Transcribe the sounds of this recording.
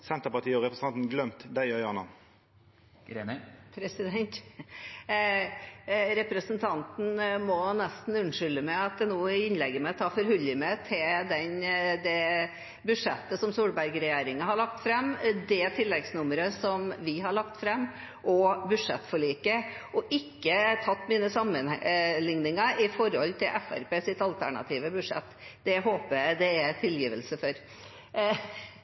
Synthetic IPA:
sɛnt̪əʁpɑt̪ʰiːəɔʁɛpɾəsɑnt̪n̩ɡlœmt̪d̪æɪœʏɑnɑ̰n | pʰɾɛsɪd̪ɛnt̪ | ɾɛpɾəsənt̪ʰɑnt̪n̩mɔnɛst̪n̩ʉnʂʏlːəmæɪɑt̪̚d̪ɛnoːɪnlɛɡːəmɛt̪ʰɑːfɔɾhʉləmɛt̪ʰɪld̪ɛnd̪ɛ | bʉʂɛt̪ːəsɔmsuːɽbæɾɡɾɛjeːɾɪŋɑhɑɭɑk̚t̪fɾɛmːd̪ɛt̪ʰɪlːɛɡsnʊməɾəsɔmʋɪɦɑɭɑkt̪fɾɛmː | ʔɔbʉ̥ʂɛt̪ːfɔɭiːkə | ʔɔʔɪkːət̪ʰɑt̪ːmiːnəsɑmːənlɪŋnɪŋəɪfɔɾɔlt̪ʰɪlʔɛfæ̰ɾpʰeːsɪt̪ɑlt̪ʰæɳɑ̰t̪ʰiːʋəbʉʂɛ̰t̪ːd̪̥ɛɦoːpəjæd̪ɛɛt̪ʰɪljiːʋəlsəfɔɾ

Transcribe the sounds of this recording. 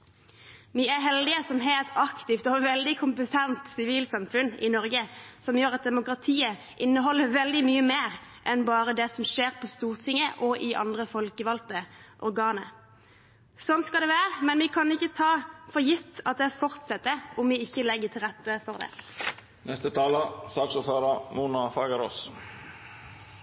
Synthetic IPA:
ʋiæɾɦɛld̪ɪəsɔmɦeːlt̪ɑkt̪ɪft̪ɔʋɛld̪ɪkʰʊmpət̪ʰɛnt̪sɪʋiːlsɑmfʉnɪ̰nɔɾɡəsɔmjøːɾʁɑt̪̚d̪ɛmʊkʁɑt̪ʰiːə | ʔɪnːəɦɔlːəʋɛld̪ɪmyːəmeːʁʔɛnbɑːɾəd̪ɛsɔmʃeːʁpʰɔst̪uːʁt̪ʰɪŋːəʔɔʔɪʔɑ̰nd̪ʁəfɔlkəʋɑlt̪əʔɔʁɡɑːnə | sɔnt̪skɑld̪ɛʋæːʁəmɛnʋɪkʰɑnɪçːət̪ʰɑːfɔʁjɪft̪ɑt̪̚d̪ɛfɔʁt̪sɛt̪ːəɔmʋɪɪçːəlɛɡːət̪ʰɪlʁɛt̪ːəfɔʁd̪ɛ̰ː | nɛst̪ət̪ʰɑːləsɑːksuføːɾɑmuːnɑfɑɡəɾo̰ːs

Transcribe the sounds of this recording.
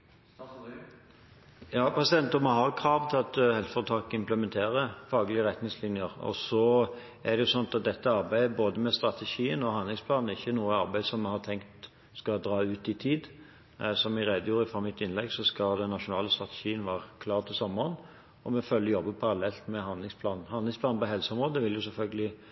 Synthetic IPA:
jɑːpʰɾɛsɪd̪ɛnt̪ʊməhɑʁkʰɾɑːʋt̪ʰɪlɑt̪hɛlt̪fɔʁt̪ʰɑːkɪmpləmɛnt̪ʰeːɾəfɑːɡlɪəʁɛt̪nɪŋslɪnjəɾɔ̰sɔ | æd̪ɛjʊsɔnːɑt̪ɑt̪̚d̪ɛt̪ːəɑɾbæɪəboːd̪əmɛst̪ʁɑt̪ʰɛʃiːənɔhɑnlɪŋspʰlɑːnnəɛɪçːənuːəɑɾbæɪsɔmɛhɑt̪ʰɛŋkt̪ | skɑd̪ɾɑːʉːt̪ɪt̪ʰiːd̪ | sɔmɪɾeːd̪əjuːɾəfʁɑmɪt̪ːɪnlɛɡsɔskɑd̪ɛnːɑʂʊnɑːləst̪ʁɑt̪ə̥ʃiːənʋæːʁəkʰlɑːʁt̪ʰɪlsɔmːəɾən | ɔmɛfœljjɔbːəpʰɑɾɑlɛlt̪mɛɦɑnd̪lɪŋspʰlɑːnn̩hɑnlɪŋspʰlɑːnpɔɦɛlsəɔmʁoːd̪əʋɪljʊsɛlfœlɡəlɪ

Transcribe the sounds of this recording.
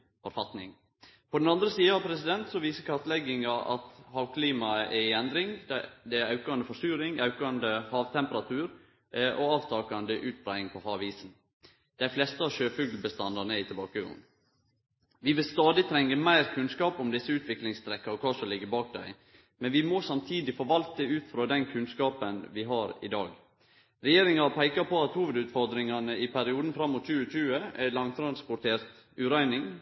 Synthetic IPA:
fɔɾfɑt̪nɪ̰ŋ | pʰɔd̪ɛnɑnd̪ɾəsiːəɑʋpʰɾɛsɪd̪ɛnt̪sɔʋiːsəkʰɑt̪lɛɡɪŋɑʔɑ̰t̪hɑːʋkʰliːmɑəʔɛɪɛnd̪ɾɪŋd̪ɛæɾɑʉkɑnd̪əfɔsyːɾɪŋɑʉkɑnd̪əhɑːʋt̪ʰɛmpəɾɑt̪ʰʉːɾ | ʔɔɑːʋt̪ʰɑːkɑnd̪əʔʉːt̪̚bɾæɪɪŋpʰɔhɑːʋiːsn | d̪̥æɪflɛst̪əɑʋʃøːfʉɡlbəst̪ɑnd̪ɑnəɛɪt̪ʰɪbɑːkəɡʊ̰n | ʋɪʋɪlst̪ɑːd̪ɪt̪ʰɾɛŋːəmæɪɾkʰʉnskɑːpʊmd̪ɪsːəʉːt̪ʰʋɪklɪŋst̪ʰɾɛkːɑɾɔkʰɑːsɔlɪɡːəbɑːk̚d̪æ̰ɪ | mɛnʋɪmɔsɑmt̪ʰiːd̪ɪfɔɾʋɑlt̪əʉːt̪fɾɑːd̪ɛnkʰʉnskɑːpənʋɪɦɑɾɪ̰d̪ɑ̰ːɡ | ɾɛjeːɾɪŋɑpʰæɪkɑpʰɔɑt̪huːʋəd̪ʉːt̪fɔɾd̪ɾɪŋɑnəɪpʰæɾɪuːd̪n̩fɾɑmːʊt̪t͡ʃʉːət͡ʃʉːəæ̰lɑŋt̪ʰɾɑnspʊʈ̪ʰeːɾt̪ | ʉːɾæɪnɪŋ

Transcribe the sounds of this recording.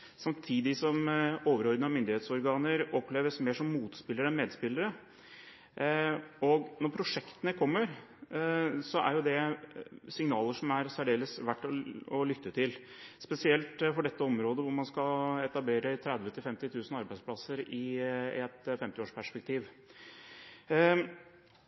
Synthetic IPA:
sɑmt̪ʰiːd̪ɪsɔmoːʋəɾɔɾd̪ɑmʏnd̪ɪheːt̪sɔɾɡɑːnəɾɔpːleːʋəsmeːʂɔmːuːt̪spɪlːəɾəɛnmeːd̪spɪlːəɾə | ɔɡnɔɾpʰɾʊʂɛkt̪ənəkʰɔmːəɾ | sɔʔæ̰ɾjʊd̪ɛ | sɪŋnɑːləʂɔmæɾsæɖeːləsʋæʈːɔɔlʏt̪ːət̪ʰɪl | spɛsɪɛlt̪fɔɖɛt̪ːəɔmɾoːd̪əʋʊɾmɑnskɑɛt̪ɑbleːɾət̪ʰɾɛd̪ʋət̪ʰɪlfɛmt̪ɪt̪ʰʉːsn̩ɑɾbæɪspʰlɑsəɾɪɛt̪fɛmt̪ɪoːʂpʰæʂpɛk̚t̪ʰiːʋ

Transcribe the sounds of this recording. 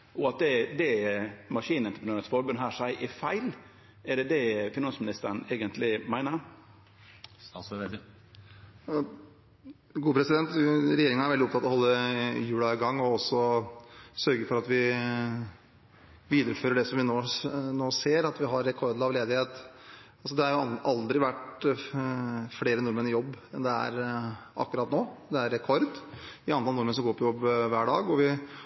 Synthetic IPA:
ɔɑt̪̚d̪ɛd̪ɛmɑʂiːnɛnt̪əpʰɾnøːɾɛt̪sfɔɾbʉnɦæːʂæɪʔɪfæɪl | æɖɛd̪ɛfɪnɑnsmɪnɪst̪əɾɳ̩eːɡənt̪lɪmæɪnəɾ | ɡuːpʰɾɛsɪd̪ɛnt̪ɾɛjeːɾɪŋənæɾʋɛld̪ɪɔpt̪ʰɑt̪ːɔhɔlːəjʉːlɑɪɡɑŋːɔɔsːɔ | sœɾɡəfɔɾɑt̪ʋɪ | ʋiːd̪əɾəføːɾəɖɛsɔmʋɪnoːnoːseːɾɑt̪ʋɪɦɑɾːɛkʰɔɾd̪̩ɑʋleːd̪ɪheːt̪ | ɑlsɔd̪ɛhɑɾjʊʔɑld̪ɾɪʋæʈ | fleːɾənʊɾmənɪjɔbːɛnd̪ɛæ̰ɾʔɑ̰kːʉɾɑːt̪noːd̪ɛæɾːɛkʰɔɾd̪ɪɑnt̪ɑlnʊɾmənsɔmɡoːɾpʰɔjɔbːʋæːɖɑːɡɔʋɪ

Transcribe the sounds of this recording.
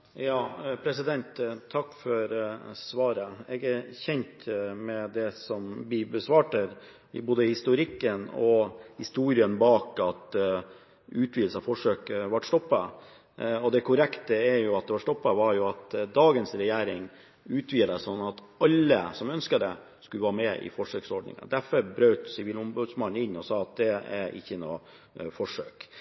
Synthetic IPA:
jɑːpʰɾɛsɪd̪ɛnt̪t̪ʰːɑkːfɔɾsʋɑːɾəɛɡɛɾçɛɲt̪mɛd̪ɛsɔmbiːbəsʋɑːʈəɾ | ɪ̰boːd̪əhɪst̪ʊɾɪkːənɔhɪst̪uːɾɪənbɑːkɑt̪ | ʉːt̪ʰʋiːl̩sɑfɔʂøːkəʋɑʈst̪ɔpːɑ | ɔd̪ɛkʰʊɾɛkt̪əæɾjʊɑt̪̚d̪ɛʋɑʂt̪ɔpːɑʋɑɾjʊɑt̪d̪ɑːɡənsɾɛjæːɾɪŋ | ʉːt̪ʰʋiːləsɔnːɑt̪ | ɑlːəsɔmœnskəd̪ɛ | skʉləʋɑːmɛʔɪ̰fɔʂøːksɔɖɳnɪ̰ŋə̰d̪æɾfɔɾbɾœːt̪sɪʋiːlʊmbʉːd̪smɑnːɪnːɔsɑːɑt̪̚d̪ɛæ̰ɾʔɪ̰çːənoː | fɔʂø̰ːk

